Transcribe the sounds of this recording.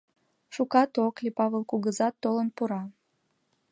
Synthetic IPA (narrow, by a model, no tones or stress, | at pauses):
ʃukɑt̪oklipɑβelkuɣəzɑt̪ːolənpuɾɑ